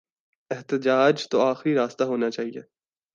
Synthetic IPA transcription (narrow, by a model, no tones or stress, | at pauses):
ɛɦt̪əd͡ʒaːd͡ʒt̪oaːxɾiɾaːst̪aɦoːnat͡ʃaːɦiḛ